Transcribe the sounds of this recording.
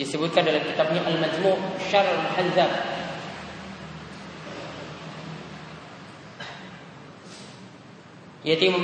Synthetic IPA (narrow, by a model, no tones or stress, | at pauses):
isəbʊt̪̚kandalamkit̪ap̚ɲaʔalmad͡ʒmuʔʃaɾmħanzam | jat̪i